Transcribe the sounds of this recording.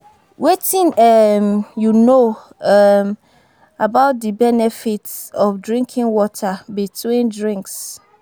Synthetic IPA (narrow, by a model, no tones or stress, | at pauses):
wetʰĩnɛmjuno | ɛm | abaʊt̚dibɛnɛfitɔfdɹĩŋkʰĩnwɔtʰabitʰwĩndɹĩŋks